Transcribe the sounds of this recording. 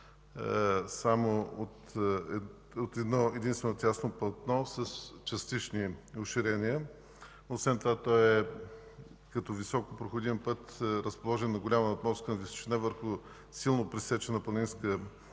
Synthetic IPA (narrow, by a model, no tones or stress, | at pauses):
samoot̪ɛ | ot̪ɛd̪nɔɛd̪inst̪vɛnot̪ʲjasnoplˠɐt̪nɔsəst͡ʃɐst̪it͡ʃnioʃiɾɛniə | osvɛnt̪ovat̪ɔɛ | kɐt̪ɔvisɔkopɾoxʊd̪impɤt̪ɾəspolˠɔʒɛnːɐɡʊlʲaməot̪nɔskənɐviso̥t͡ʃinɛvəɾxʊ | silˠnopɾisɛt͡ʃɛnəpɐninskə